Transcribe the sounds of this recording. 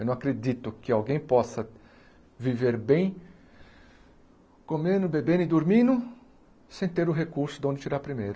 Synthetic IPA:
wnɐ̃w̃akɾed̪it̪ʊkɪawɡẽj̃pɔsɐ | viveɾbẽj̃ | komẽnʊbebẽnʊɪd̪oɾmĩnʊ | sẽj̃t̪eɾʊɦekuɾsʊd̪õd̪ɪt͡ʃiɾaɾpɾimejɾʊ

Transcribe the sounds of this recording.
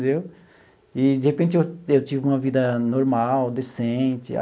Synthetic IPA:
d̪ew | ɪd͡ʒɪhepẽnt͡ʃɪewewt͡ʃivɪũmɐvid̪ɐnoɾmawd̪esẽt͡ʃɪ̰a̰

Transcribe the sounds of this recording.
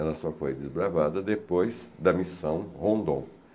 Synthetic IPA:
ɛlɐsɔfojd̪ɪzbɾavad̪ɐd̪epojzd̪ɐmisɐ̃w̃hõnd̪õ̰w̃

